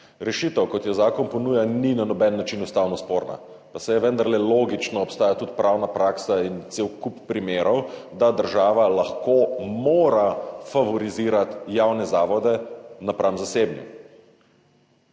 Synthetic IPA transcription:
ɾɛʃit̪əwkɔt̪jɛzaːkɔnpɔnuːjaninanɔbɛnːat͡ʃinust̪aːwnɔspoːɾna̰ | pasɛjɛʋənd̪aɾlɛloːɡit͡ʃnɔːpst̪aːjat̪ut̪pɾʔawnapɾaːksaint̪sewkupːɾimeːɾɔwd̪ad̪əɾʒaːʋalaxkomoːɾafaʋɔɾiziːɾat̪jawnɛzaːʋɔd̪ɛnapɾʔaːʋmzaseːbnjṵ

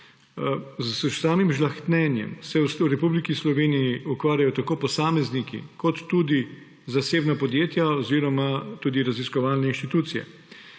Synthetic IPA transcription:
zsaːmimʒlaxt̪nɛnjɛ̰msɛswɾɛpublikislɔʋeːnijiukʋaːɾjajɔt̪akoːpɔsaːmɛznikḭkɔt̪ːuːd̪i | zaseːbnapɔd̪jeːt̪jaɔziːɾɔmat̪uːd̪iɾaziskɔʋaːlnɛinʃt̪it̪uːt̪sijɛ̰

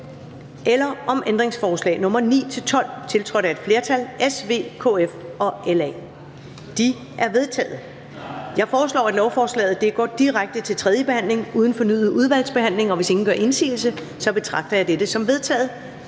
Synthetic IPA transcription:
ʔelɐʔɒ̽mʔend̥ʁeŋsfɒːslɛ̰ːnɔ̽mɐnḭːt͡sʰe̝lt͡sʰɒ̽l̰t͡sʰe̝lt͡sʰʁœɾæe̝d̥fle̝ɐt͡sʰælʔesʋe̝̰ːkʰo̰efɒ̽ʔelɛ̰ː | d̥i | ʔæɐʋe̝ð̞ˠt͡sʰɛ̰ːð̩ˠ | jɑ̈ɪfɒːslɒ̰ːæd̥lɒʊfɒːslɛ̰ːð̩ˠd̥e̝ɡ̥ɒ̰ːd̥iʁaɡ̥̚d̥ət͡sʰe̝lt͡sʰʁɛð̞ˠjəb̥e̝hæn̰le̝ŋuːð̞ˠn̩fɒ̽nyðð̩ˠuðˠʋæl̰sb̥e̝hæn̰le̝ŋɒ̽ʋe̝se̝ŋn̩ɡ̥ɶɐʔe̝nsḭːl̩sə | sɒ̽b̥e̝t͡sʰʁɑ̈ɡ̥̚d̥ɐjɑɪd̥ed̥əsɒ̽mʋe̝ð̞ˠt͡sʰɛ̰ːð̞̩ˠ

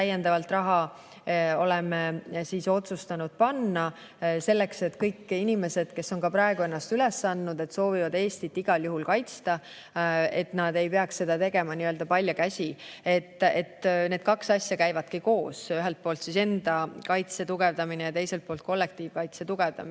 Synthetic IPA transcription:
t̪æjend̪̥ɑvɑlt̪ˑrɑɦɑ | o̞lɛmesiːso̞t̪sust̪ɑnud̪̥̚pɑnːɑ | se̞lːe̞kse̞t̪ːkɤjkːinime̞se̞d̪̥ke̞sːo̞nkɑpɾɑe̞ɡ̥ue̞nːɑst̪ylɛsːɑnːud̪̥e̞t̪so̞ːvivɑd̪e̞ːst̪it̪ːiɡ̥ɑljuɦulkɑjt̪st̪ɑ | e̞t̪nɑd̪e̞jpe̞ɑksse̞d̪̥ɑt̪e̞ɡemɑniøld̪ɑpɑlʲjɑkæsʲie̞t̪ːˑet̪ːˑne̞ːd̪̥kɑksɑsʲjɑkæjvɑd̪̥kiko̞ːsyɦelt̪̚po̞ːlt̪sise̞nd̪̥ɑkɑjt̪se̞t̪uɡ̥e̞vd̪ɑminejɑt̪e̞jse̞lt̪̚poːlt̪̚ko̞lːe̞k̚t̪iːvkɑjt̪set̪uɡ̥e̞vd̪ɑ̰mi

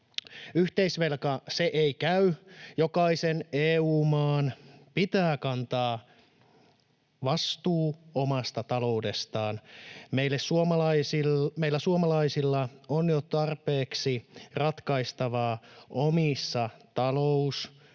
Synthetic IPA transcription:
yht̪eisʋelkɑseʔeikæyjokɑiseneːuːmɑːnpit̪æːkɑnt̪ɑː | ʋɑst̪uːomɑst̪ɑt̪ɑlo̞ude̞st̪ɑːnmeilːessuomɑlɑisilmeilːæsuomɑlɑisilːɑonjot̪ɑrpeːksirɑt̪kɑist̪ɑʋɑːʔomisːɑt̪ɑlous

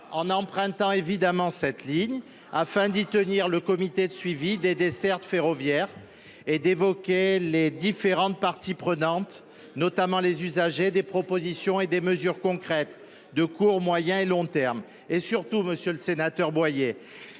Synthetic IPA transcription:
ɑ̃nɑ̃pχɛ̃t̪ɑ̃evid̪amɑ̃sɛt̪liɲ | afɛ̃d̪it̪əniʁləkɔmit̪ed̪əsɥivid̪ed̪esɛʁt̪feʁɔvjɛʁ | ed̪evɔkʲeled̪ifeʁɑ̃t̪̚paʁt̪ipχənɑ̃t̪ | nɔt̪amɑ̃lezyzaʒed̪epχɔpozisjɔ̃ed̪eməzyʁkɔ̃kχɛt̪ | d̪əkuʁmwajɛ̃elɔ̃t̪ɛʁm | esyʁt̪uməsjøləsenat̪œʁbwaje

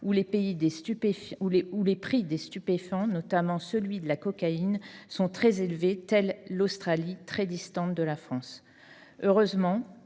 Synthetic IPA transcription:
ulepeid̪est̪ypefuleulepχid̪est̪ypefɑ̃nɔt̪amɑ̃səlɥid̪əlakɔkainsɔ̃t̪χɛzelvet̪ɛlːost̪χalit̪χɛd̪ist̪ɑ̃t̪̚d̪əlafχɑ̃s | øʁøzmɑ̃

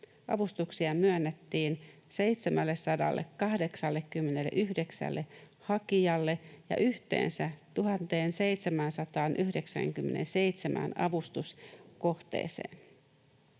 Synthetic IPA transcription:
ʔɑ̰ʋust̪uksiɑmyønːet̪ːiːnse̞ijt̪semælːessɑdɑ̰lːḛkːɑhde̞ksɑlːekːymːenelːḛʔyɦde̞ksæ̰lːʔe̞ | hɑkiɑlːe̞jɑ̰ʔyht̪e̞̰ːnsæt̪uɦɑnt̪e̞ːnse̞jt̪semænsɑt̪ɑːnʔyhde̞ksæ̰ŋkymːe̞nḛnse̞jt̪semʔæ̰nɑ̰ʋust̪uskoht̪ḛːsḛːn

